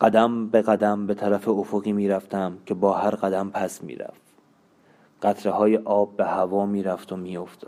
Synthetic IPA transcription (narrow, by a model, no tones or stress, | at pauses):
ɢ̥æd̪æmbe̞ɣæd̪æmbe̞t̪ʰæɾæfe̞ofoɣiːmiːɾæft̪ʰæmcʰe̞bɒːhæɾɢæd̪æmpʰæsmḭːɾæ̰f | ɢ̥æt̪ʰɾe̞hɒːje̞ʔɒːbːe̞hævɒːmiːɾæft̪ʰomiːjo̞ft̪ɒ̥